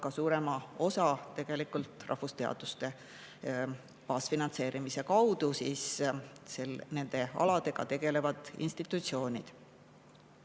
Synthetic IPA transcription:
kɑsuːɾe̞mɑo̞sɑt̪e̞ɡ̥e̞likult̪ˑrʔɑ̰hvust̪eɑ̰d̪̥ust̪e̞ | pɑːsfinɑnt̪se̞ːɾimise̞kɑwd̪̥usiːsselne̞nd̪̥e̞ɑ̰lɑd̪̥e̞ɡ̥ɑ̰t̪e̞ɡ̥e̞le̞vɑd̪̥ḭnst̪it̪ːˑut̪sio̞ːnʲid̪̥

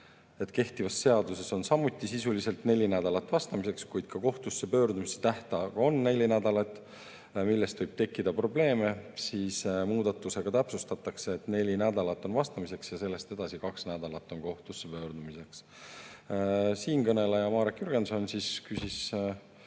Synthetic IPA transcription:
e̞t̪ke̞ht̪ivɑsːe̞ɑd̪use̞so̞nsɑmːut̪ːˑisisulise̞lt̪ne̞lʲːinæd̪̥ɑlɑt̪ːˑvɑst̪ɑmise̞kskujd̪̥kɑko̞ht̪usːepø̞ːrd̪umise̥t̪æht̪ɑkɑo̞nːe̞lʲːinæd̪̥ɑlɑt̪ːˑ | milːe̞st̪vɤjb̥̚t̪e̞kːid̪̥ɑpro̞ble̞ːme̞siːsmuːd̪̥ɑt̪ːˑuse̞ɡ̥ɑt̪æpsust̪ɑt̪ːˑɑkse̞ːt̪ˑne̞lʲinæd̪ɑlɑt̪ːˑo̞nvɑst̪ɑmise̞ksjɑse̞lːe̞st̪e̞d̪̥ɑsikɑksnæd̪̥ɑlɑt̪ːˑo̞nko̞ht̪usːepø̞ːɾd̪̥umise̞ks | siːnkɤne̞lɑjɑmɑːɾekjyɾɡ̥enso̞nsiskysis

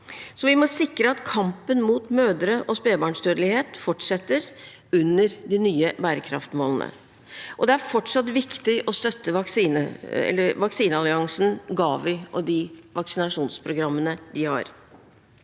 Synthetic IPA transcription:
sɔʋɪmɔsɪkɾəɑt̪kʰɑmpənmuːt̪møːd̪əɾəʔɔspeːbɑːɳʂd̪øːd̪lɪheːt̪fɔʈʂɛt̪ːəɾ | ʉnːəɾd̪ɪnyːəbæːɾəkʰɾɑ̰ft̪moːlənə̰ | ʔɔd̪ɛæɾfɔʈʂɑt̪ʋɪkt̪ɪʔɔst̪œt̪ːəʋɑksiːnəɛ̰lːəɾʋɑksiːnəɑlɪɑŋsn̩ɡɑːʋɪʔɔd̪ɪʋɑksɪnɑʂuːnspʰɾʊɡɾɑmːənəd̪ɪhɑ̰ːɾ

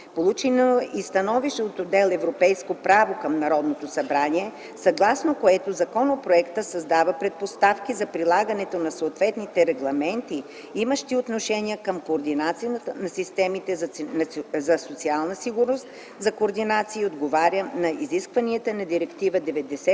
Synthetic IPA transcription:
polˠut͡ʃinoist̪ɐnɔviʃot̪od̪ɛlˠɛvɾopɛjskopɾavokɐmnɐɾɔd̪not̪osɐbɾaniɛ | sɐɡlˠasnokoɛt̪ozɐkɔnopɾoɛkt̪əsɐzd̪avəpɾɛt̪̚post̪afkizɐpɾilˠaɡɐnɛt̪onɐsoːt̪vɛt̪nit̪ɛɾɛɡlˠɐmɛnt̪i | iməʃt̪iot̪noʃɛniəkəmkoːɾd̪inat̪sij̪nɐsist̪ɛmit̪ɛznzɐsot̪sialˠnəsiɡʊɾnost̪ | zɐkoːɾd̪inat̪siːod̪ɡovaɾʲənɐiziskvɐniət̪ənɐd̪iɾɛkt̪ivəd̪ɛvɛd̪ɛsɛ

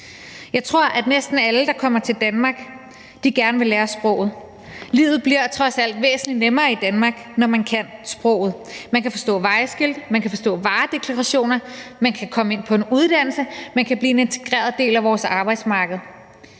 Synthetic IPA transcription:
jɑ̈ɪt͡sʰʁo̝ɐ̰ʔæd̥nesd̥n̩æləd̥ɑ̈kʰɒ̽m̰ɐt͡sʰe̝ld̥ænmɑ̈ːɡ̥ | d̥iɡ̥æɐnəʋe̝leːɐsb̥ʁɔ̰̽ʊ̰ð̞̩ˠ | lḭːʊð̩ˠb̥liɐt͡sʰʁɒ̽sæl̰d̥ʋḛːsn̩linemɐːid̥ænmɑ̈ːɡ̥nɒmænkʰæn̰sb̥ʁɔ̽ʊ̰ð̞̩ˠmænkʰæfɒ̽sd̥ɔ̰̽ːʋɑ̈ɪsɡ̥eld̥əmænkʰæfɒ̽sd̥ɔ̰̽ːʋɑ̈ːd̥e̝kʰlɑʁɑɕo̝̰ːnɐmænkʰækʰɒ̽məe̝n̰pʰɒ̽e̝nuð̞ˠd̥æn̰l̩səmænkʰæbliːe̝ne̝nt͡sʰe̝ɡ̥ʁḛːɐð̞ˠd̥e̝̰ːlæʋɒːsɑ̈ːb̥ɑ̈ɪd̥smɑ̈ːɡ̥əð̩ˠ

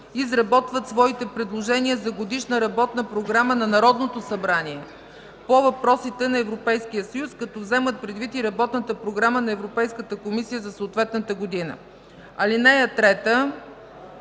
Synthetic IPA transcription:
izɾɐbɔt̪vət̪svɔit̪ɛpɾɛd̪lˠoʒɛniəzɐɡod̪iʃnəɾɐbɔt̪nəpɾoɡɾamənɐnɐɾɔd̪not̪osɐbɾaniɛ | povɐpɾɔsit̪ɛnɐɛvɾopɛjskijəsəjuskɐt̪ɔvzɛmət̪̚pɾɛd̪vit̪iɾɐbɔt̪nət̪əpɾoɡɾamənɐɛvɾopɛjskət̪əkomisijəzɐsoːt̪vɛt̪nət̪əɡod̪inə̰ | ɐlinɛjət̪ɾɛt̪ə

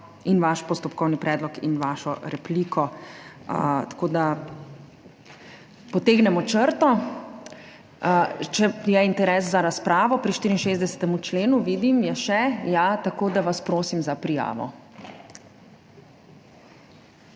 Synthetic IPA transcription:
inʋaʃpɔst̪ɔpkɔwnipɾɛːd̪lɔkḭnʋaːʃɔɾɛpliːkʰɔ | ət̪ḁkoːd̪a | pɔt̪eːɡnɛmɔt͡ʃəɾt̪ɔ | t͡ʃɛjɛint̪ɛɾɛːs̬zaɾaspɾaːʋɔpɾiʃt̪iːɾinʃeːzd̪ɛsɛ̥t̪ɛmut͡ʃleːnuʋiːd̪imjɛʃɛjat̪akoːd̪aʋaspɾoːsimzapɾija̰ːʋɔ̰

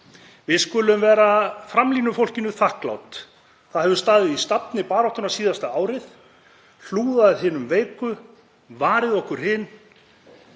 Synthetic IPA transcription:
vɪðskʏːlʏmvɛːɾafɾamliːnʏfowl̥cɪnʏθahkla̰wt̪ | θaðhɛvʏst̪aːðɪðist̪apnɪpaːɾɔht̪ʏɾnasiːðast̪aaːwɾɪθ | l̥uːðaððɦɪːnʏmveːjkʏ | vaːɾɪðɔhkʏɾ̥ɦɪn

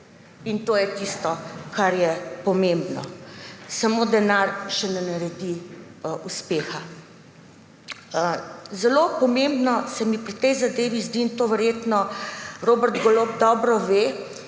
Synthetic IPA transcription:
int̪oːjɛt̪ist̪ɔkaɾjɛpɔmẽmbnɔ̰samoːd̪ɛnaɾʃɛnɛnɐɾɛd̪iʔuspeːxa | zɛlopɔmẽmbnɔsɛmipɾit̪ɛjzad̪eːʋizd̪iːnt̪oːʋɛɾjeːt̪nɔɾoːbɛɾd̪ɡolop̚d̪ɔːbɾɔʋe

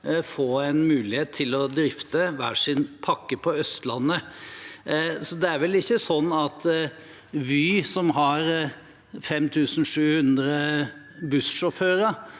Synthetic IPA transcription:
foːɛnmʉːlɪheːt̪ʰːɪlɔd̪ɾɪft̪əʋæ̰ːʂɪnpʰɑkːəpʰɔœst̪lɑnːə | sɔd̪ɛæɾʋɛlɪçːəsɔnːɑt̪ | ʋyːsɔmɦɑɾ | fɛmt̪ʰʉːsn̩ʂʉːhʉnd̪ɾə | bʉsʂɔføːɾə

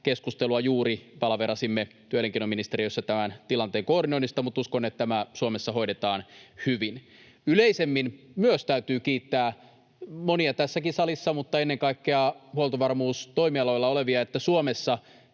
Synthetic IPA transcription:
keskust̪eluɑjuːɾipɑlɑʋerɑsimːet̪yøleŋkinominist̪eɾiøsːɑt̪æmænt̪ilɑnt̪eːŋkoːrinoinist̪ɑmut̪uskonet̪t̪æmæsuomesːɑɦo̞iɾet̪ɑːnhyʋin | yleisemːinmyøst̪æyt̪yːkiːt̪ːæː | moniɑt̪æsːækisɑlisːɑmut̪ːɑenːeŋkɑikːeɑhuolt̪oʋɑrmuːst̪o̞imiɑlojlːɑoleʋiɑet̪ːæsuomesːɑ

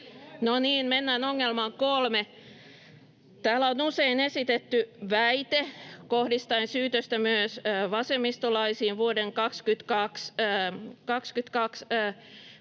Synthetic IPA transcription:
noniːnmenːæːnoŋːelmɑŋkolme | t̪æːlæonuseinesit̪et̪ːyʋæit̪ekohdist̪ɑinsyːt̪øst̪æmyøsʋɑsemːist̪olɑisiːʋʋuodeŋkɑkskyt̪kɑks | kɑkskyt̪kɑks

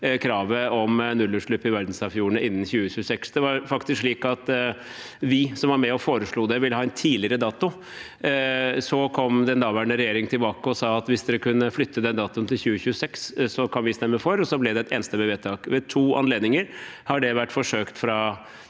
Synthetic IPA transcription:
kʰɾɑːʋəɔmnʉlːʉʂɭʉpːɪʋæɾd̪n̩sɑfjuːəɳəɪnːn̩çʉːəçʉːəsɛksd̪ɛʋɑɾfɑkt̪ɪskʂɭiːkɑt̪ | ʋɪsɔmʋɑɾmɛɔfoːɾəʂɭuːd̪ɛʋɪləhɑːɛnt̪ʰiːlɪəɾəd̪ɑːt̪ʊ | sɔkʰɔmd̪ɛnd̪ɑːʋæɳəɾɛjeːɾɪŋt̪ʰɪlbɑːkəɔsɑːɑt̪ʋɪsd̪ɛkʉnːəflʏt̪ʰːəd̪ɛnd̪ɑːt̪ʊnt̪ʰɪlçʉːəçʉːəsɛkssɔkʰɑnʋɪst̪ɛmːəfɔɾɔsɔblɛd̪ɛt̪eːnəst̪əbɛʋeːt̪ʰɑːɡʋɛt̪ʰuːɑ̰nleːd̪nɪŋəɾhɑɖɛʋæʈːfɔʂøːkt̪fɾɑ

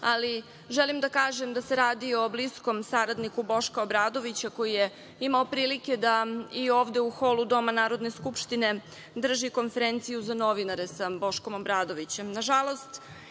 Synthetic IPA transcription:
ali | ʒelimd̪akaːʒe̞md̪ase̞ɾaːd̪io̞blisko̞msaɾad̪nikubo̞ʃkaobɾaːd̪o̞ʋit͡ɕako̞jije | imaopɾiːlike̞d̪aioːvd̪e̞uxo̞lud̪o̞manaːɾo̞d̪ne̞skupʃt̪ine̞ | d̪r̩ʒiko̞nfe̞ɾent̪sijuzano̞ʋinaɾe̞sabo̞ʃko̞mobɾaːd̪o̞ʋit͡ɕe̞mnaʒalˠo̞st̪

